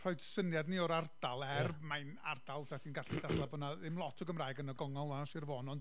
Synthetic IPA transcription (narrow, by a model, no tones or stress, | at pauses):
rɔjdsənjadniɔɾardalˠɛrbmaɨna̰rdalˠtʰatʰiːnɡaɬidadlˠabɔnaðɪmlˠɔtʰɔɡəmraːjɡənɔɡɔŋɔlˠanaʃɪrvoːnɔnd